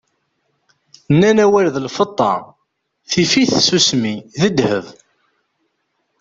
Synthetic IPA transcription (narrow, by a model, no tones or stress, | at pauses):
nːænæwælðəlfət̪ˤːɑ̰ | θifiθsusmiðəd̪həv